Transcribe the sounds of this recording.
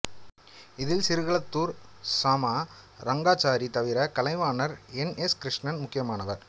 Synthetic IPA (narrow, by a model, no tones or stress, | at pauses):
ɪðɪlsɪɾɯɣɐɭɐt̪ːuːɾsaːmaː | ɾɐŋɡaːt͡ʃaːɾit̪ɐʋɪɾɐkɐlɐɪʋaːnɐɾɛnɛskɪɾɪʂɳɐnmʊkːɪjɐmaːnɐʋɐɾ